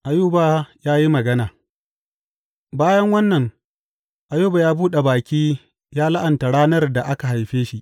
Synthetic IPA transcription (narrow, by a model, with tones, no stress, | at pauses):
ʔa˨juː˦baː˦jaː˦ji˦mɐ˨ɡɐ˦naː˨ | baː˦jɐ˦ŋwɐ˦nːɐ˨ŋ | ʔa˨juː˦ba˨jaː˦buː˦ɗe˨baː˨kʲiː˦ | jaː˦la˦ʔa˨nta˨ɽaː˦nɐ˦rda˨ʔa˦ka˨ɦa˨jɸeː˦ʃi˦ʔ